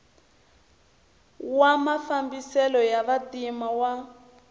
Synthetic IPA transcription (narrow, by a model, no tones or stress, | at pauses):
wamafambisɛlɔjaβadimawa